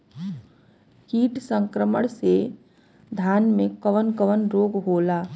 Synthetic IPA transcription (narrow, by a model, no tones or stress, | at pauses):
kiːʈsə̃ŋkɾəməɽ̃se | d̪ʱjaːnmẽkəʋənkəʋənɾoːɡɦoːlaː